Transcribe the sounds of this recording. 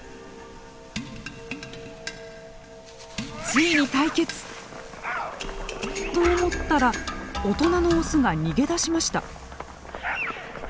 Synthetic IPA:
t͡sɨiɲ̟it̪aike̞t͡sɨ̥ | t̪o̞ːmo̞t̪ːaɾaot̪o̞nano̞ːsɨɡaɲ̟iɡe̞d̪aɕimaɕi̥t̪a̰

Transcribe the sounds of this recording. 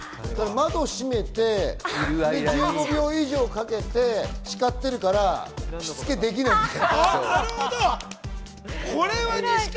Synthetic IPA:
koɾamad̪o̞ɕime̞t̪e̞ | eɯːɡo̞bʲioiʑo̞ːkake̞t̪e̞ɕi̥kat̪ːe̞ɾɯ̟kaɾaɕit͡sɨ̥ke̞d̪e̞k̬ʲinaĩnkaaaɾɯhod̪o | kʰoɾe̞βa

